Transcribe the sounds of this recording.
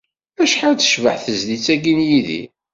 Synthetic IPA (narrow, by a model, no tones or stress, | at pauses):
æʃħawt͡sːə̥ʃvə̰ħθəzlit͡sːæɡinjiðḭ